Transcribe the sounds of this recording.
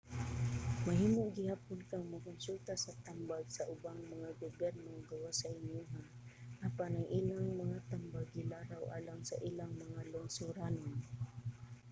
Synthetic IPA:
maɦiːmoɡɪhapʊlkaŋmakʊnsult̪asat̪ambaɡsaʔʊbaŋmaŋaɡobjɛɾnoɡawasaɪnuɦa | ʔapanaŋʔilaŋmaŋat̪ambaɡːɪlaɾawʔa̰laŋsaʔilaŋmaŋalʊŋsʊɾanon

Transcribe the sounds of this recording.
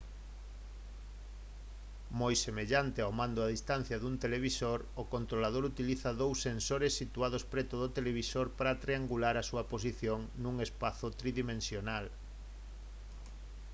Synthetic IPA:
mojsemeʎant̪eawmãnd̪ʊaðist̪an̟θjaðunt̪eleβisoɾokont̪ɾolað̞oɾut̪iliθɐðowsːensoɾesːit̪uað̞ospɾɛt̪ʊðot̪eleβisoɾpaɾat̪ɾeaŋɡulaɾasuɐposiθjoŋnũŋespaθʊt̪ɾiðimẽnsjonal

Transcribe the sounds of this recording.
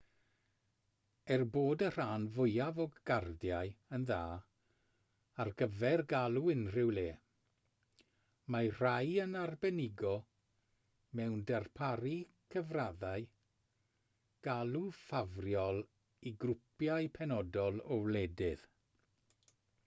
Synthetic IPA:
ɛrboːdər̥aːnvʊjavɔɡɡardjaɨənðaː | arɡəvɛrɡalˠuɪnr̥ɪwleː | mar̥ajənarbɛnɪɡɔ | mɛwndɛrpʰaɾikʰəvraðaɨ | ɡ̥alˠufavrjɔlˠ | iɡrʊpʰjaɨpʰɛnɔdɔlˠɔwlɛdɪð̥

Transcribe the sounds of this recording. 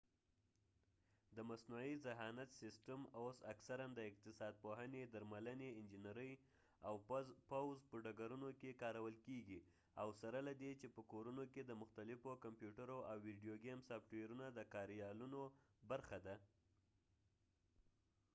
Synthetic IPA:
d̪əmasnuizɪɦɑnat̪sɪsʈamosaksaɾand̪əɪq̚t̪ɪsɑd̪̚poɦəned̪aɾmaləneɪnd͡ʒɪnaɾəj | awpawzpəɖaɡaɾunokekɑɾawəlkeɡi | awsaɾalad̪et͡ʃepəkoɾunoked̪əmʊxt̪alɪfokampjuʈaɾoawːiɖijoɡemsɑfʈweɾunad̪əkɑɾjɑlunobaɾxad̪a

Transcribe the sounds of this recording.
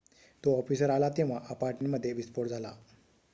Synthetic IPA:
t̪oɔfisəɾalat̪eʋ̤aʔapaɾʈmeməd̪ʱːjeʋispoɽd͡zʱala

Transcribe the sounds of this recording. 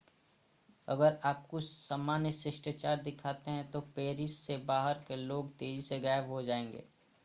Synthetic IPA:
ɐ̰ɡəɾaːp̚kosɐmaːnjəsɪʃʈət͡ʃaːɾd̪ɪkʰaːt̪eɦɛ̃t̪opeːɾɪʃsebaːɦəɾkeloːɡt̪eːd͡ʒiseɡaːjʋɦod͡ʒaːẽːŋɡḛː

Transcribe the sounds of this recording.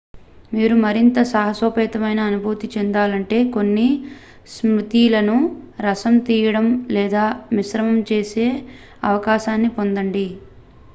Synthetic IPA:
miːɾumɐɾint̪ɐsɐːɦɐsoːpɛːt̪ɐmɐjnɐːnubʱuːt̪it͡ʃend̪aːlɐɳʈe̞ːko̞nːi | smut̪ilɐnuɾɐsɐmt̪iːjɐɽɐmlɛːd̪aːmiʃɾɐmɐmt͡ʃe̞ːse̞ː | ɐʋɐkaːʃaːnːipo̞nd̪ɐɳɖi

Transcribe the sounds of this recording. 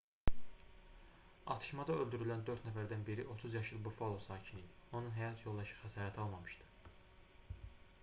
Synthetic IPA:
ɑ̰t̪ʰɯ̥ʃmɑd̪ɑølˠd̪yɾylænd̪øɾt̪næfæɾd̪ænbiɾiʔo̞t̪ʰuzjɑʃɯlˠbufolˠosɑːcʰinid̪io̞nunɦæjɑt̪ʰjo̞lˠd̪ɑʃɯ̥xæsɑːɾæt̪ʰɑlˠmɑmɯʃd̪ɯ̥

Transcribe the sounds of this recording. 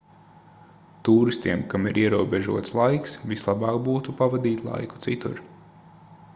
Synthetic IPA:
t̪uːɾist̪iɛmkamiɾiɛɾuɔbeʒṵɔt̪slˠajksvislˠabɑːkbuːt̪upavad̪iːt̪ʲlˠa̰jku̥t̪sit̪ṵɾ

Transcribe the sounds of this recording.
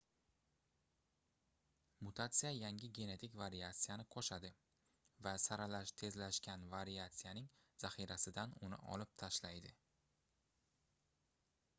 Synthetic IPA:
mʊt̪ʰat̪sɨjajaŋʲɪɡʲe̞ne̞t̪ʰɪkʲvaɾiat̪sɨjanɪqʰɒʃad̪ɪ | vasaɾalaʃt̪ʰe̞zlaʃkʲanvaɾiat̪sɨjanɪŋ | z̥aχiɾasɪd̪anʊnɪ̰ʔɒ̰lɪp̚t̪ʰaʃlajd̪ɪ

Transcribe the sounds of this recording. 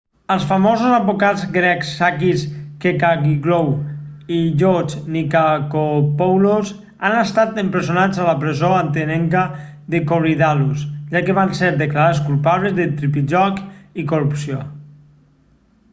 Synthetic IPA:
əlˠsfamozuzabokad͡zɡɾɛksːakiskekaɣiɡlowiʎot͡ʃnikakopowloz | anəst̪at̪əmpɾezjonad͡zaləpɾezoant̪enɛŋka | ðekoriðalusʒakəβanseɾðəklaɾaskulˠpaβləzðət̪ɾipiʒɔkikorupsio

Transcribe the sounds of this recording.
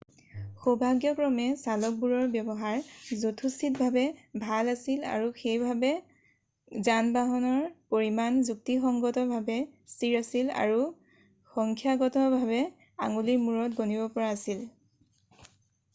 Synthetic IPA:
xobʱaɡjɔkɹɔmɛsalɔk̚buɹɔɹbjɔbɔɦaɹzotʰusit̚bʱabɛbʱalasila̰ɹuxejbʱabɛ | zanbaɦɔnɔɹpoɹimanzuk̚tixɔŋɡɔtɔbʱabɛstiɹasila̰ɹu | xɔŋkʰjaɡɔtɔbʱabɛ | a̰ŋulimuɹɔtɡonibɔpɔɹaːsil

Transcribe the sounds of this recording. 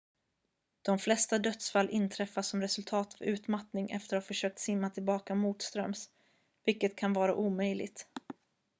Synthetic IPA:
d̪̥ɔmflɛst̪ad̪œt̪sfalːʔɪnːt̪ʰɾɛfːasːɔmɾɛsɵlt̪ʰɑːt̪avʉ̟ːt̪mat̪nɪŋɛ̰ft̪əɾafœʂøːk̚t̪sɪmːat̪ʰɪlbɑːkamuːt̪st̪ɾœ̰ms | vɪlkːət̪kʰanvɑːɾaʔuːmœjlɪɡ̚t̪

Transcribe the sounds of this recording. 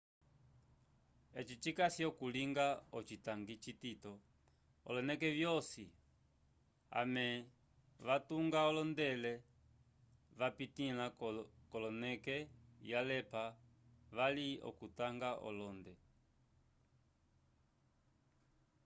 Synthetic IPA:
ɛt͡ʃit͡ʃikasiɔkuliŋɡaɔt͡ʃitaŋɡit͡ʃititɔ | ɔ̰lɔnɛkɛvjɔsi | a̰mɛ | ʋatuŋɡaɔlɔndɛlɛ | ʋapitilakɔlɔnɛkɛjalɛpa | ʋaliɔ̰kutaŋɡaʔɔ̰lɔndɛ

